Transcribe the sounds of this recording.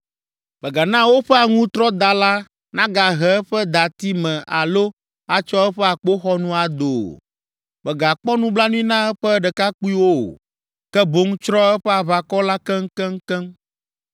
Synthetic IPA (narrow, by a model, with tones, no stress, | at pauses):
bɛ˨ɡa˨nã˦wo˦ɸɛ˦a˨ŋũ˦t̪ɾɔ˦d̪a˨la˦ | nã˦ɡa˨ɦɛ˨ɛ˦ɸɛ˦d̪a˨t̪i˦mɛ̃˨ʔa̰˨lo˦ | a˨t͡ʃɔ˦ɛ˦ɸɛ˦a˨k͡po˦xɔ˦nũ˦a˨d̪o˨ | bɛ˨ɡa˨k͡pɔ˦nũ˦bla˦nũ˦ĩ˦nã˦ɛ˦ɸɛ˦ɖɛ˨ka˦k͡pu˦i˦wo̰˦˨ | kɛ˦bo˨˦ŋ˦t͡ʃɾɔ˦ɛ˦ɸɛ˦a˨βa˨kɔ˦la˦kɛ˦ŋ̩˦kɛ˦ŋ̩˦kɛ˦m